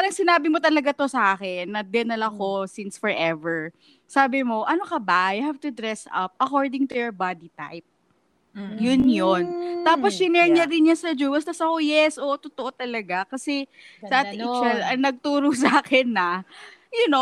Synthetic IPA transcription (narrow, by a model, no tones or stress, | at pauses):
paːɾɐŋsɪnaːbɪmot̪ɐlɐɡat̪o̞sɐʔaːkɛnːɐd̪ɛnɐlɐko̞sinsfɔɹʔɛvɛɹ | saːbɪmo̞ʔɐnokɐbajʊhavt̪ʊd̪ɹɛsɐ̰p̚ʔɐkoɹd̪ɪ̃ŋt̪ʊjoɹbad̪it̪a̰jp̚ | jʊnjont̪aːposjɪnɛɾɲɐɾɪnjɐnsɐd͡ʒuːwɐsɐsɐkojɛsʔot̪ʊt̪oʔot̪ɐlɐɡakɐsɛ | sɐʔatɪt͡ʃɛlɐŋnɐɡ̚t̪uːɾosɐaːkɛnːɐjʊno